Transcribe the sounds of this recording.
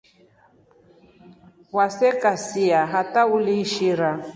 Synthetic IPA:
wasɛkʼasiaɦatauliʃiɾa

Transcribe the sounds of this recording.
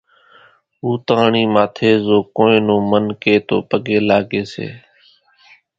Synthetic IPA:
uːt̪aːɳiːmaːt̪ʰeːzoːkoːẽːnõːmənkeːt̪o̰ːpəɠeːlaːɡeːsḛː

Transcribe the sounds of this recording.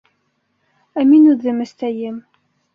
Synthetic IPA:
æminuððəməst̪æjəm

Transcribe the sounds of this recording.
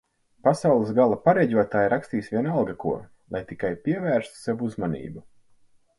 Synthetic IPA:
pasawlˠɨsɡalˠapaɾɛɟʲuɔt̪aːjɾakst̪iːsvʲiɛnalˠɡakuɔ | lˠajt̪ikajpʲiɛvæːɾst̪u̥sɛvuuzmanḭːbu

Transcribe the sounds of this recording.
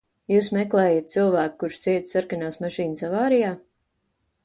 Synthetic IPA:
juːsmɛklˠɛːjat̪̚silˠvæːk̚kuɾʃt̪siɛt̪saɾkanawsmaʃiːnsavaːɾijaː

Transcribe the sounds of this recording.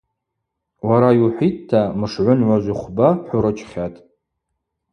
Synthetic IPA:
waɾajwħʷittʰːamɨʂʕʷʊnʕʷaʒʷiχʷbaħʷuɾɨt͡ʃʰʼχʲatʼ

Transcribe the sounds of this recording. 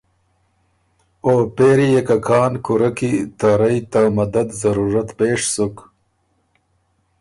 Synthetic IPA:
oːpeːɾijekakʰɑːnkuɾakit̪aɾajt̪amɐd̪ad̪zɐɾuːɾat̪peːʂsuk

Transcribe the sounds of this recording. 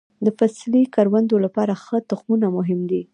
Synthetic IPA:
d̪əfaslikaɾwand̪olapɑɾaxət̪ʊxmunamʊɦɪmd̪i

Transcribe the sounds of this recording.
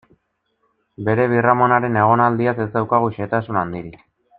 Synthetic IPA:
be̞ɾe̞β̞iramo̞naɾe̞ne̞ɣ̞o̞nald̪iasezd̪awkaɣ̞uʃet̪asunand̪iɾi

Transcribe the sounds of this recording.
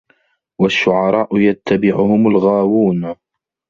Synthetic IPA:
waʃːʊʕɑɾˤɑːʔʊjat̪ːabɪʕʊhʊmalɣaːwuːn

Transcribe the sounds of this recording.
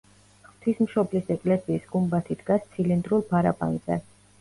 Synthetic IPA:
t̪ʰwismʃɔblisɛkʼlɛsiːsɡumbat̪ʰid̪ɡast̪sʰilind̪ɾulˠpʰaɾapʼa̰nz̥ɛ̰

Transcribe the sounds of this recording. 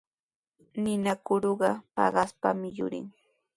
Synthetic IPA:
nɪnakʊɾoɢɑpɑ̰ɢɑspamɪjʊ̰ɾɪ̰ŋ

